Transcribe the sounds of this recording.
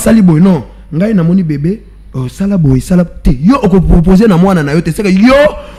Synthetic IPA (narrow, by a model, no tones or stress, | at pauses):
salibojenɔ̃ | ŋɡainamɔnibebe | osalabojesalatɛjoʔokopʁop̬ozenamananajotsekajo